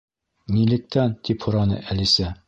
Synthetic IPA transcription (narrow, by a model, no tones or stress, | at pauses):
nʲilɘ̆k̚t̪ʰænt̪ʰiphŭɾɑnɤ̰ʔælisæ